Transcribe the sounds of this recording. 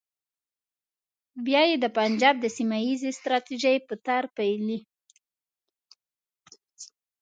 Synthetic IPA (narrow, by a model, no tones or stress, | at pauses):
bjɑjed̪əpand͡ʒɑb̚d̪əsimajizest̪ɾɑt̪iʒəjpət̪aɾpajli